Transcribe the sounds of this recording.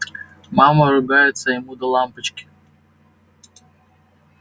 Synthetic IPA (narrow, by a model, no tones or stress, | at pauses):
mɑmɐɾʊɡɑjet͡sʲːɐjɔmud̪ɔlˠɑmpɪt͡ʃkʲɪ̥